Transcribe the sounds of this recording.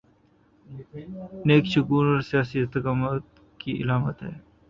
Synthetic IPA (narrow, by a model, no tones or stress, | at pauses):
neːkʃʊkuːɾɔːɾsijaːsiɪst̪ɪkaːmət̪ | kiʔɪ̰laːmət̪ɦɛː